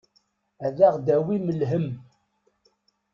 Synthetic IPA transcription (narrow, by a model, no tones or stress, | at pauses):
æðæʁd̪æwiməlɦəm